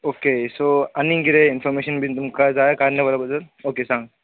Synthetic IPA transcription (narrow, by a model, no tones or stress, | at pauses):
oːkesoːɐnĩŋɡiɾeɪnfʰɔɾmeːʃənbʱit̪ʊmkazaːjakaːɾnɐʋalabɐzəloːkesãːŋɡ